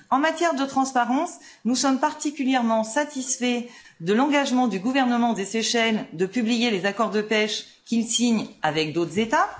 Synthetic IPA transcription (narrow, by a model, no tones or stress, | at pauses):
ɑ̃mat̪jɛʁd̪ət̪χɑ̃spaʁɑ̃s | nusɔmpaʁt̪ikʲyljɛʁmɑ̃sat̪isfɛ | d̪əlɑ̃ɡaʒmɑ̃d̪yɡuvɛʁnəmɑ̃d̪eseʃɛld̪əpyblijelezakɔʁd̪əpɛʃ | kʲilsiɲavɛk̚d̪ot̪χzet̪a